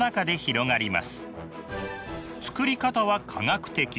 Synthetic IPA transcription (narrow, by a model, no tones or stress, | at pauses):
nakad̪e̞çiɾo̞ŋaɾʲima̰sɨ̥ | t͡sɨ̥kɯ̟ɾʲikat̪aβakʰa̰ŋakɯ̥t̪e̞kʲi